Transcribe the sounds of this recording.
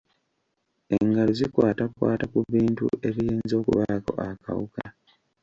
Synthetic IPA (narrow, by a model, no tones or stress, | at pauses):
e̞ŋɡalozikwaːtakwa̰ːtakuβiːntṵe̞βijeːnzo̞ːkṵβako̞̰ʔaka̰wuka